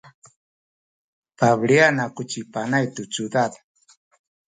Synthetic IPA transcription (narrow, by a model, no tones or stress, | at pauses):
paβljanakʊt͡ʃipanajt̪ut͡sud̪at̪ḁ